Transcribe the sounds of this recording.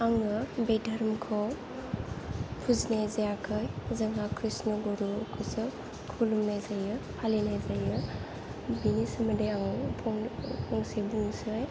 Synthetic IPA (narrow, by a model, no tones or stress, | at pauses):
aŋɯbejdʱɐɾmkʰɔw | pʰuznezajakʰɯjzaŋakʰɾisnɔɡɔɾukʰɯsɯ | kʰulumnazajɯhʰalinajzajɯ | binisɯmɯdeaŋpʰɔŋpʰɔŋsebuŋsɯj